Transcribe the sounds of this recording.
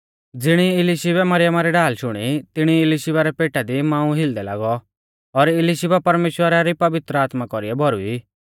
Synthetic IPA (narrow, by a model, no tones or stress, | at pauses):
d͡zɪɽ̃iɪlɪʃɪbɛmɐɾɪjəmaɾɛɖaːlʃʊɽ̃it̪ɪɽ̃iɪliʃɪbaɾɛpeːʈad̪imãːũɦɪld̪ɛla̰ːɡɔ | ɔɾɪliʃɪbapɐɾmeːʃwəɾaɾipɐʋɪt̪ɾəaːt̪makɔɾiɛbʱɔɾṵi